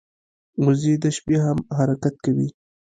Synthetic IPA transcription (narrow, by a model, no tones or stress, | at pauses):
wʊzid̪əʃbeɦamɦaɾakat̪̚kawi